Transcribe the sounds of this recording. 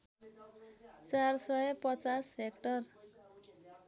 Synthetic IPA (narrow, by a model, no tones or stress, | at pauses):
t͡sarsʌjpʌt͡sasekʈʌr